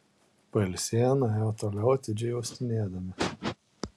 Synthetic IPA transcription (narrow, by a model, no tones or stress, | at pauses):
pɐɪlʲsʲeːjɛnɐjɛːt̪oːlʲɛʊɐt̪ʲɪd͡ʒʲɛɪjɛʊsʲt̪ʲɪnʲeːd̪ɐmʲɪ